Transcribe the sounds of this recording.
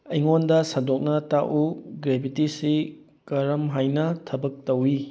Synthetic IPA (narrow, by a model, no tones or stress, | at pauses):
ɐjŋondɐsɐdok̚nɐtaʔuɡɾebʱitisi | kɐɾɐmɦajnɐtʰɐbɐk̚tɐwi